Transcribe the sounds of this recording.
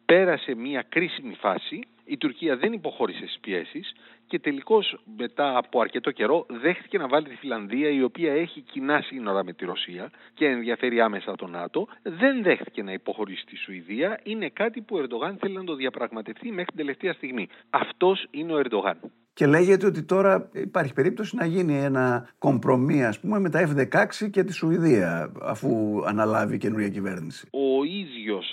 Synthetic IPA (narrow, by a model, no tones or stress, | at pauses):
pe̞ɾɐse̞miɐkɾisimifɐsiː | t̪uɾciɐðe̞nipo̞xo̞ɾise̞st̪i̥spie̞̰sis | ce̞t̪e̞liko̞zme̞t̪ɐːpoɐɾce̞t̪o̞ce̞ɾo̞ðe̞xθi̥ce̞nɐvɐlit̪i̥filɐnðiɐio̞piɐe̞çicinɐsino̞ɾɐme̞t̪iɾo̞siɐce̞ːnðʝɐfe̞ɾiɐme̞sɐt̪o̞nɐ̰t̪o̞ðe̞nðe̞xθi̥ce̞nɐipo̞xo̞ɾisi̥t̪isuiðiɐine̞kɐt̪ipuoe̞ɾd̪o̞ɣɐnθe̞linɐt̪o̞ðɐpɾɐɣmɐt̪e̞ft̪imexɾt̪ind̪ele̞ft̪eɐst̪iɣmiɐft̪o̞sineo̞e̞ɾd̪o̞ɣɐ̰n | ce̞le̞ʝe̞t̪eo̞t̪it̪o̞ɾɐḭpɐɾçi̥pe̞ɾip̚t̪o̞sinɐʝinie̞nɐko̞mpɾo̞miɐspume̞me̞t̪ɐe̞fðe̞kɐksice̞t̪isuiðiɐɐ̰fuɐ̰nɐlɐvice̞nuɾʝɐcive̞ɾnisi̥o̞izʝo̞s